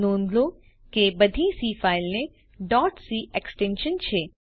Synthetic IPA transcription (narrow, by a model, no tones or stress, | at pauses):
nõːnd̪lo | kebəd̪ʱisifailne | ɖɔːʈsiʔeksʈẽnʃənt͡ʃʰe